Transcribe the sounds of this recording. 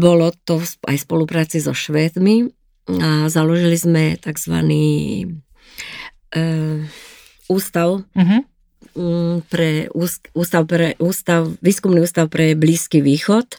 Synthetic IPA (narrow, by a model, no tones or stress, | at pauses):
bɔlɔt̪ɔfsa̰jspɔlupɾaːt͡sizɔʃʋɛːt̪mi | azalɔʒilizmɛt̪aɡzʋa̰niː | uːst̪aʊɦ | pɾɛuːsuːst̪aʊpɾɛʔuːst̪aʊʋiːskumniuːst̪aʊpɾɛbliːskiːʋiːxɔt̪